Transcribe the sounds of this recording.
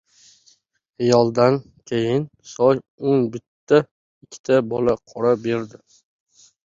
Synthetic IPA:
ajɒlˠd̪an | kʲʰejɪnsɒj | onbɪt̪ʰːa | ɪkʲʰːɪ̥t̪ʰabɒlaqʰɒɾabe̞ɾd̪ɪ

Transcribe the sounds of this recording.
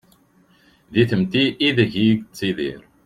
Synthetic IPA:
ðiθəmt̪iʔːðəʝiɡt͡sːiðḭɾ

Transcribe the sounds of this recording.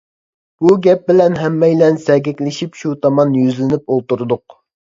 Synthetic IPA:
b̥uɡʲɛp̚bɪlɛnɦɛmːɛjlɛnsɛɡʲɛkʲlɪʃipʃut̪ʰɑmɑnjyzlɪnɪp̚olˠt̪uɾud̪ʊq̚

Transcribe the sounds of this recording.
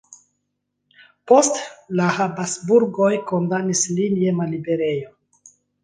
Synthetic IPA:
po̞stlahabasbuɾɡo̞jko̞ndanislinjemalibe̞ɾe̞jo

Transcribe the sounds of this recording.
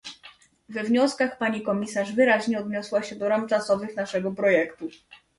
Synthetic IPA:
vɛvɲɔskaxpaɲikɔmʲisaʐvɘɾaʑɲɛɔd̪ɲɔswaɕɛd̪ɔɾamt͡ʂasɔvɘxnaʂɛɡɔpɾɔjɛkt̪u

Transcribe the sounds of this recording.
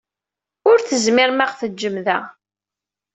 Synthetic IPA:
ʊɾθəzmɪɾmaʁθəd͡ʒːəmðæ

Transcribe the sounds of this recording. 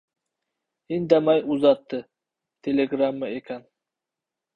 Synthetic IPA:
ind̪amajuzɑt̪ːɨ | t̪ʰelʲeɡɾamːaekʰʲan

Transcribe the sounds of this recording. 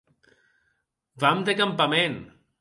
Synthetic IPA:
bamd̪ekampamen

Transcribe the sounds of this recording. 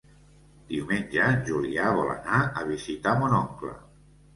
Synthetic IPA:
d̪iumenʲd͡ʒanʒuliaβɔla̰naəβ̞izit̪amunɔŋklə̰

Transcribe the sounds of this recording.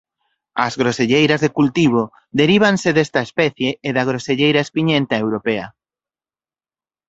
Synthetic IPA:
ɐzɣɾoseʎejɾɐzðekult̪iβ̞o | ðeɾiβ̞anseðest̪ɐespɛθjeːðɐɣɾoseʎejɾaespiɲent̪aewɾopeɐ

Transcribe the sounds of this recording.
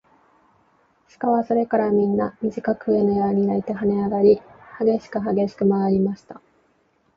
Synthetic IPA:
ɕi̥kaβaso̞ɾe̞kaɾamʲĩnːamʲiʑikakɯ̟enojaɲ̟iait̪e̞ɦane̞aɡaɾʲihaɡe̞ɕi̥kɯ̟ɦaɡe̞ɕi̥kɯ̟maβaɾʲimaɕi̥t̪a

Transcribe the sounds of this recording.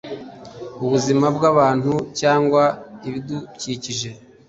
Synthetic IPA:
uβuzimabɡaβaːn̥hucaːŋɡwaiβiduciciʒe̞

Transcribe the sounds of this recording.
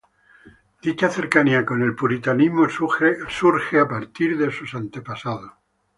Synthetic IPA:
d̪̥it͡ʃaθe̞ɾkaniako̞ne̞lpuɾit̪animosuɾxeapaɾt̪iɾðe̞susant̪epasaðo

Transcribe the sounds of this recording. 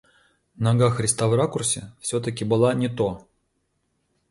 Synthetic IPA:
nɐɡaxɾʲɪst̪avrakʊrsʲɪfsʲot̪ɐkʲɪbɨlˠanʲɪt̪o

